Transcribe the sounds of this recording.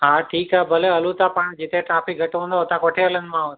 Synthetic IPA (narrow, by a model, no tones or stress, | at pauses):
ɦaʈʰiːkɦabəleəlut̪apəɳd͡ʒit̪eʈɾapik̚ɡʱəʈʋõnd̪oɦət̪ãkoʈʰeələnmãʋət̪